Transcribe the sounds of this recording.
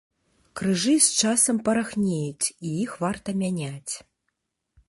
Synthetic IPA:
krɨʐɨst͡ʂasɐmpɐɾaxnʲejut͡sʲijixvart̪ɐmʲanʲat͡sʲ

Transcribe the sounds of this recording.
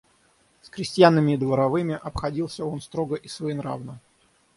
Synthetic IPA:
skɾʲɪsʲtʲjanːɨmʲɪːd̪vəɾɐvɨmʲɪʔɐpxɐdʲilˠsʲəo̞nst̪ɾo̞ɡəʔisvɐinɾa̰vnə

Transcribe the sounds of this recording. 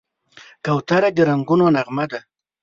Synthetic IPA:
kawt̪aɾad̪ɪɾaŋɡʊnonaʁmad̪a

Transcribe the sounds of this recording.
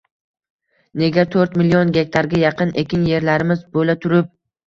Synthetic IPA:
ne̞ɡʲat̪ʰɵɾt̪mɪlijɒnɡʲe̞kʲt̪ʰaɾɡʲajɑqʰɨne̞kʲɪnje̞ɾlaɾɪmɪzbolat̪ʰʊɾɪp̚

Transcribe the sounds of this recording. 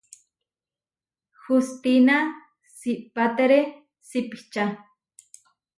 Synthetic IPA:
xust̪ina | sipat̪eɾe | sipi̥t͡ʃa

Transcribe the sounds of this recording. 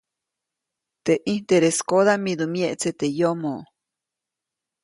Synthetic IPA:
t̪eʔint̪eɾeskoðamid̪umjeʔt͡set̪ejomoʔ

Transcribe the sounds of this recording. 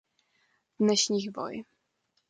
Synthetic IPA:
vnɛɕɲixbɔ̰j

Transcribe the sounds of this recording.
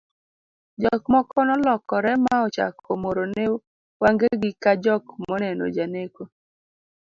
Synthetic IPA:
d͡ʒɔkmɔkɔnɔlɔkɔɾɛmaɔt͡ʃa̰komoɾone | waŋɡeɡɪkad͡ʒɔkmɔnɛno̰d͡ʒaneko

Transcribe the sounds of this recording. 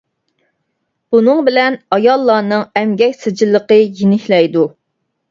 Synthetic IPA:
b̥unɨŋbɪlɛnɑjɑlˠːɑːnɨŋɛmɡʲɛkʲsɨd͡ʒilˠːəqəjinɪkʲlɛjd̪u

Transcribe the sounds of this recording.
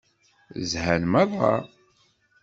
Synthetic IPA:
zhænmæðˤɑ̰

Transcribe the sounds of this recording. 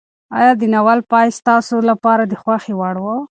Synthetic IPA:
ɑ̰jɑd̪ənawalpɑjst̪ɑsolapɑɾad̪əxwaxewaɽwo

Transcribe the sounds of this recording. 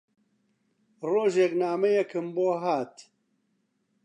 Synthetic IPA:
roːʒeknaːmɐjɛkɨmboːɦaːt̪

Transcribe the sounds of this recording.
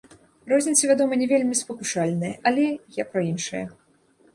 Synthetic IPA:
rɔzʲnʲit̪sɐvʲad̪ɔmɐnʲɛvʲelʲmʲispɐkuʂalʲnɐjɛʔɐlʲɛjapɾɐinʂɨjɐ̰

